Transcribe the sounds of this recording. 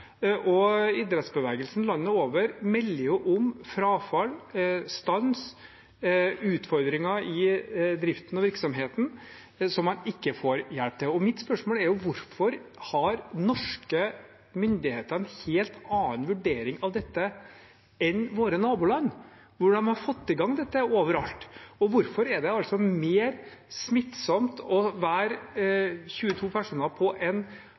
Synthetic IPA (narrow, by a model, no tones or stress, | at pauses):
ʔɔɪd̪ɾɛt̪sbəʋɛːɡəlsnlɑnːəoːʋəɾmɛlːəɾjʊʔʊmfɾɑːfɑlst̪ɑns | ʉːt̪fɔɾd̪ɾɪŋɑɪd̪ɾɪft̪nɑʋɪɾksɔmɦeːt̪n̩ | sɔmːɑnɪkːəfoːɾjɛlp̚t̪ʰɛɔmɪt̪spœʂmoːlɛɾjʊʋʊɾfɔɾhɑɾnɔʂkə | mʏnd̪ɪheːt̪əɾɛnheːlt̪ɑːənʋʉɖeːɾɪŋɑʋd̪ɛt̪ːə | ɛnʋoːɾənɑːbuːlɑnː | ʋʊɖɑnhɑɾfɔt̪ːɪɡɑŋːd̪ɛt̪ːəoːʋəɾɑlt̪ɔʋʊɾfɔɾɛɖ̪ɛɑlt̪sɔmeːɾsmɪt̪sɔmt̪ʰɔʋæːɾ | çʉːət̪ʰuːpʰæʂuːnəpʰɔʔɛn